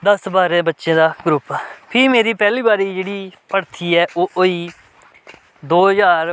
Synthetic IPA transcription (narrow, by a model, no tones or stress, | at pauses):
d̪əsbaːɾẽːbətːʃẽːd̪aːɡɾʊpːpʰɪɾmeːɾiːpɛːliːbaːɾiːd͡ʒeːɽiːpəɽt̪ʰiːɛːʔoːʔoiː | d̪oːjaːɾ